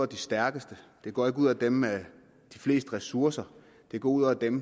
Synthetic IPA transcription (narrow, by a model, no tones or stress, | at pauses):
d̥isd̥æɐɡ̥əsd̥əd̥e̝ɡ̥ɒ̰ːe̝ɡ̥uð̰ˠæd̥emæ | d̥ifle̝̰ːsd̥əʁɛsuɐsɐ | d̥e̝ɡ̥ɒ̰ːuð̞̰ˠɒd̥em